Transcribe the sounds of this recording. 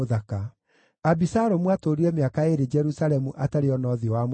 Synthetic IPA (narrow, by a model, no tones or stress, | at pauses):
oðaka | abisaɾomwatoɾiɾɛmeakaeɾed͡ʒɛɾusalɛmuʔataɾeɔnɔðiɔwam